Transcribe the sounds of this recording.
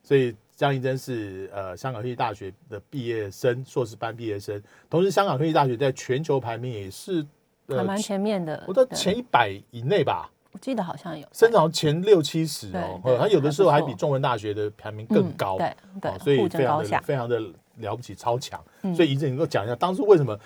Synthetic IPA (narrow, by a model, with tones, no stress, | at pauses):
swɔ˧˥i˨˩ | t͡ɕjɑ˥ŋi˥˧ʈ͡ʂə˦nʂɻ̩˥˩ə˩ɕjɑ˥ŋkɑ˨˩ŋʰwʰi˥˧t̪a˥˩ɕɥɛ˧˥d̪ə˨pi˥˧jɛ˥˩ʂə˥nʂwɔ˥˧ʂ̬ɻ̩˥˩pa˥npi˥˧jɛ˥˩ʂə˦n | t̪ʰo˧˥ŋʂɻ̩˧˥ɕjɑ˥ŋkɑ˨ŋʰwi˥t̪a˥˩ɕɥɛ˧˥t͡sa˥˩ɪt͡ɕʰɥɛ˧˥nt͡ɕʰjo˧˥ʊpʰa˧˥nmi˧˥ŋjɛ˨˩ʂɻ̩˥˩ | ə˨˥˨m˧˥nt͡ɕʰɛ˧˥nmjɛ˥˩nd̪ə̰˩˨˩a˥˩t͡ɕʰjɛ˧˥ni˥˩pa˨˩ɪi˨˩ne˥˩ɪba̰˩ | wɔ˨˩t͡ɕi˥˩d̪ə˩xɑ˨˩ʊɕjɑ˥˩ŋjo˨˩˦ʂə˥nʈ͡ʂʰɑ˨˥˩ŋ˩t͡ɕʰjɛ˧˥nljo˥˨ʊt͡ɕʰi˥ʂɻ̩̰˧˥˨ɔ˥˧na˥˨jo˨ʊd̪ə˦ʂɻ̩˧˥o˥˧xa˧˥˧pi˨˩ʈ͡ʂʊ˥˧ŋwə˧˦nt̪a˥˩ɕɥɛ˧˦d̪ə˨pʰjɑ˧˥nmi˧˥ŋkə˥˩ŋkɑ˦ʊ˧˩˧ | ɔ̰˨˩swɔ˧˥i˧˨˧e˥ɪʈ͡ʂɑ˧ə˧˨fe˥ɪʈ͡ʂʰɑ˧˥ŋd̪ə˨ | ljɑ˧˥ʊp̬u˥t͡ɕʰi˨˩ʈ͡ʂʰɑ˥ʊt͡ɕʰjɑ̰˧˦ŋswɔ˧˥i˨i˨˩t͡s̩˥˨˩nə˧˦ko˥˩t͡ɕjɑ̰˨˩ŋi˦ja˥˧˩t̪ɑ˥ŋʂ̬ɻ̩˧˥we˥ɪʂə˧˥mə˧